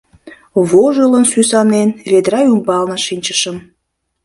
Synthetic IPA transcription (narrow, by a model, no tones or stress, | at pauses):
βoʒələnsysɑnenβed̪ɾɑjumbɑlnəʃinʲt͡ɕəʃəm